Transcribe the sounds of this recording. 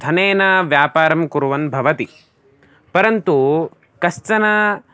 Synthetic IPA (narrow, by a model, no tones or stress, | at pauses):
d̪ʱɐneːnaʋjaːpaːɾɐmkuɾuʋɐnbʱɐʋɐt̪i | pɐɾɐnt̪u | kɐst̪ɐna